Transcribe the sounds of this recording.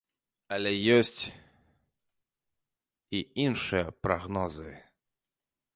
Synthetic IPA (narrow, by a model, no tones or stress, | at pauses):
ɐlʲɛjɔsʲt͡sʲ | iinʂɨjɐpɾaɣnɔzɨ